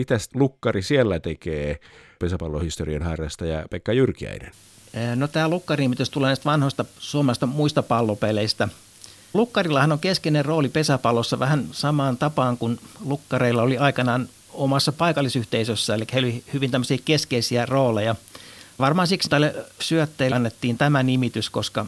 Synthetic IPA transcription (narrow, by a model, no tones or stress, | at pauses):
it̪æslukːɑrisielːæt̪ekeːpesæpɑlːohist̪oriɑnhɑrjɑst̪ɑjɑ̰pekːɑjyrkiæ̰inḛnː | not̪æːlukːɑriniːmit̪yst̪uleːnæist̪ʋɑnhoist̪ɑsuomɑst̪ɑmuist̪ɑpɑlːopeleist̪æ | lukːɑrilːɑhɑnoŋkeskeinerroːlipesæpɑlːˑosːɑʋæhænsɑmɑːnt̪ɑpɑːŋkunlukːɑreilːɑoliɑikɑnɑːn | omɑsːɑpɑikɑlːˑisyht̪eisøsːæelikːæheilolihyʋint̪æmːøsiːkeskeisiæroːlejɑʋɑrmɑːnsiksit̪ælːesyøt̪ːeinːet̪ːiːnt̪æmænimit̪yskoskɑ